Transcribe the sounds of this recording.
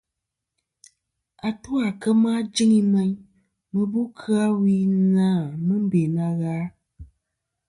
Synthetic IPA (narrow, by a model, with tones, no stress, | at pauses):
a˨tu˦a˨kə˦ma˦d͡ʒi˦ŋi˦mɛ˦ɲ | mə˨bu˦kʰɨ˦a˦wi˦nãː˦˨mɨ˦m̩˦be˨na˨ɣaː˨˦